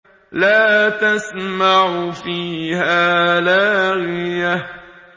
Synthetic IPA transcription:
laːt̪asmaʕʊfiːhaːlaːɣɪja

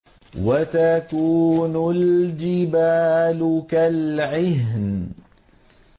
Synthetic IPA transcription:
wat̪akuːnʊld͡ʒɪbaːlʊkalʕɪɦn

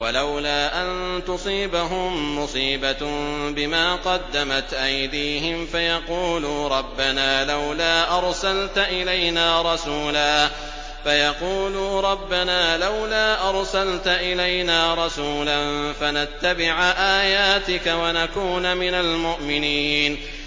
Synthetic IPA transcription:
walawlaːʔant̪ʊsˤiːbaɦʊmːʊsˤiːbabɪmaːqɑd̪ːamat̪ʔajd̪iːɦɪmfajɑquːluːɾˤɑbːanaːlawlaːʔɑɾˤsalt̪aʔɪlajnaːɾˤɑsuːlaː | fajɑquːluːɾˤɑbːanaːlawlaːʔɑɾˤsalt̪aʔɪlajnaːɾˤɑsuːlanfanat̪ːabɪʕʔaːjaːt̪ɪkawanakuːnamɪnalmʊʔmɪniːn

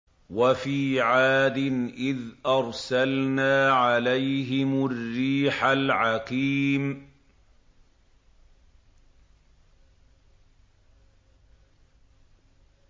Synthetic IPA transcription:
wafiːʕaːd̪ɪnʔɪðʔɑɾˤsalnaːʕalajɦɪmʊrːiːħalʕaqiːm

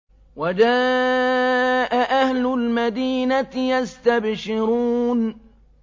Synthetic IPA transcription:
wad͡ʒaː | ʔaʔahlʊlmad̪iːnat̪jast̪abʃɪɾun

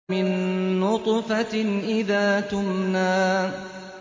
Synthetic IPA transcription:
ɪnːʊt̪ˤfɑʔɪðaːt̪ʊmnaː

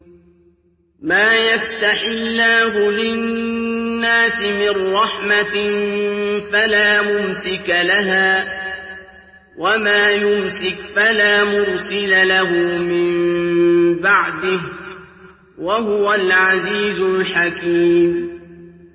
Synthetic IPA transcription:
maːjast̪aħɪlːaːɦʊlɪ | nːaːsɪmɪnːɑħmat | falaːmʊmsɪkalaɦaː | wamaːjʊmsɪkfalaːmʊɾsɪlalaɦʊmɪm | baʕd̪ɪh | waɦʊwalʕaziːzʊlħakiːm

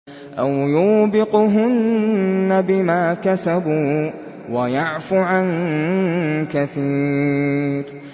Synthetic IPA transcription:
ʔawjʊːbɪqɦʊnː | abɪmaːkasabuː | wajaʕfʊʕan | kaθiː | ɾ

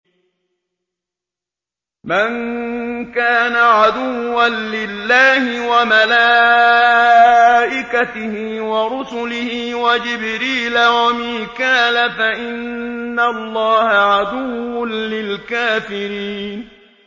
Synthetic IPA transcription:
maŋ | kaːnaʕad̪ʊːanlɪlːaːhɪwamalaː | ʔɪkat̪ɪhɪ | waɾʊsʊlɪhɪwad͡ʒɪbɾiːlawamɪːkaːlafaʔɪnːalˤːɑːhaʕad̪ʊwːʊnlɪlkaːfɪɾiːn

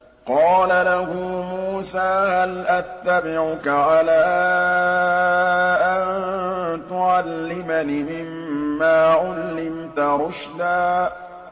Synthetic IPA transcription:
qɑːlalahʊmuːsaːhalʔat̪ːabɪʕʊkaʕalaː | ʔannt̪ʊʕalːɪmanɪmɪmːaːʕʊlːɪmt̪aɾʊʃd̪aː

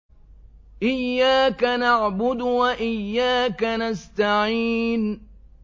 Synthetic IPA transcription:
ʔɪjːaːkanaʕbʊd̪waʔɪjːaːkanast̪aʕiːn

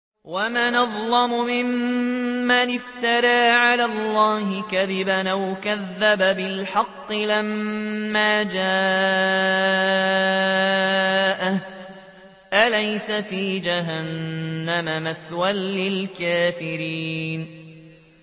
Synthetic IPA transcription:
wamaːnɑðˤlɑmʊmɪmː | anɪft̪ɑɾˤaːʕalaːlˤːɑːhɪkaðɪbanʔawkaðːababɪlħɑqːɨlamːaːd͡ʒa | ʔa | ʔalajsafiːd͡ʒaɦanːamamaθwanːɪlkaːfɪɾiːn

